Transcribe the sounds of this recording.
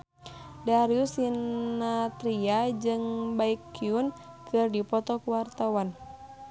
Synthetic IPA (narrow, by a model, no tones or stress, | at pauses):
daɾiusinat̪ɾiad͡ʒɨŋbaikːiun | kɨrdipɔt̪ɔkuwart̪awan